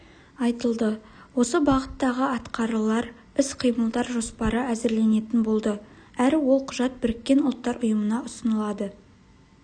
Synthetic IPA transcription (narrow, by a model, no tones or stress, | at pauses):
ɑjt̪əlˠd̪ə | wo̞səbɑʁət̪ːɑʁəɑt̪qɑɾəlˠɑɾ | ɪsqʰijməlˠd̪ɑɾʒo̞spɑɾəæzɪɾle̞ne̞t̪ɪnbo̞lˠd̪ə | æɾɪwo̞lˠqʰʊʒɑt̪̚bɪɾɪkʲːe̞nʊlˠt̪ːɑɾʊjəmənɑʔʊsənəlˠɑd̪ə